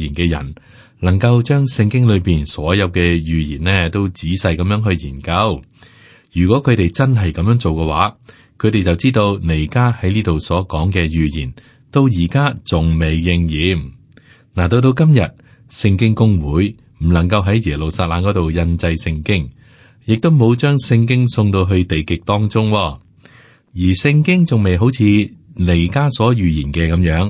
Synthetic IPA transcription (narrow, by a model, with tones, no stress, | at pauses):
iː˨˩nkɛː˧jɐ̰˨˩n | lɐ˨˩ŋkɐ˧wt͡ʃœː˥ŋsɪ˧ŋkɪ˥ŋlɵ˨˧ɥpiː˨nsɔː˨˥jɐ˨˧wkɛː˧jyː˨jḭː˨˩nlɛː˥t̪o˥wt͡siː˨˥sɐ˧jkɐ˨˧mjœː˨˧˥ŋɦɵ˧ɥjiː˨˩nkɐ˧w | jyː˨˩kʷɔː˨˥kʰɵ˨˧ɥt̪e˨jt͡sɐ˥nɦɐ˨jkɐ˨˥mjœː˧˥ŋt͡so˨wkɛː˧wa̰ː˨˥ | kʰɵ˨˧ɾe˨jt͡sɐ˨wt͡siː˥t̪o˧wne˨˩jkaː˥hɐ˨˥jniː˥t̪o˨wsɔː˨˥kɔː˨˥ŋkɛː˧jyː˨jiː˨˩n | t̪o˥˧wjiː˨˩kaː˥t͡sʊ˨ŋme˨jːɪ˧ŋjiː˨˥m | naː˨˩t̪̬o˧wt̪̬o˧wkɐ˥mjɐ˨t̚ | sɪ˧ŋkɪ˥ŋkʊ˥ŋwuː˨˥j | m̩˨˩lɐ˨˩ŋkɐ˧wɦɐ˨˥jjɛː˨˩lo˨wsaː˧t̚laː˧ŋkɔ˨˥t̪o˨wjɐ˧nt͡sɐ˧jsɪ˧ŋkɪ˥ŋ | jɪ˨k̚t̪o˥wmo˨˧wt͡ʃœː˥ŋsɪ˧ŋk̬ɪ˥ŋsʊ˧ŋt̪o˧wɦɵ˧ɥt̪e˨jkɪ˨k̚t̪ɔː˥ŋt͡sʊ˥ŋwɔː˧ | jiː˨˩sɪ˧ŋkɪ˥ŋt͡sʊ˨˩ŋme˨jɦo˨˥wt͡sʰiː˨˧le˨˩jkaː˥sɔː˨˥jyː˨jiː˨˩nkɛː˧kɐ˨˥mjœː˨˥ŋ